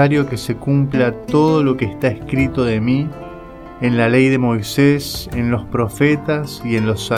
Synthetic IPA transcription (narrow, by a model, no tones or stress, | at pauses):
aɾjo̞ke̞se̞kumplat̪o̞ð̞o̞lo̞keːst̪aeskɾit̪o̞ðe̞mi | enlalejðe̞mo̞jsesenlo̞spɾo̞fet̪asie̞nlo̞sa